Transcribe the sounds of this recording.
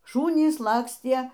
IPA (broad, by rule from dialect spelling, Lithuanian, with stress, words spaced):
ˈʃuːnʲiːs ˈlˠɑːksʲtʲiɛ